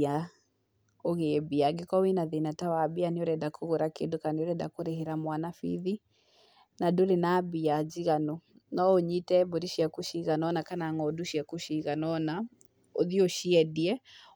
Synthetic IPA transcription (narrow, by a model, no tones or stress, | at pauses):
a | oɣebiaɡekawinaðenatawabianioɾɛdakʰoɣoɾakendokanioɾɛda̰koɾeɦeɾamwanafḭði | nadoɾenabiad͡ʒiɣano | nɔoɲitɛboɾiʃiakuʃiɣanɔnakanaŋɔduʃiakuʃiɣanɔna | oðioʃiɛdiɛ